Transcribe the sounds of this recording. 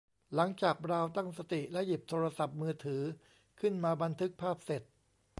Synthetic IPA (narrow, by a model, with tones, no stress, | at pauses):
la˩˦ŋt͡ɕaː˨˩k̚ɾaː˧wt̪a˥˩ŋsa˧t̪i˨˩lɛ˦˥ʔji˨˩p̚t̪ʰoː˧ɾa˧sa˨˩p̚mɯː˧t̪ʰɯː˩˦ | kʰɯ˥˩nmaː˧ba˧nt̪ʰɯ˦˥k̚pʰaː˥˩p̚se˨˩t̪̚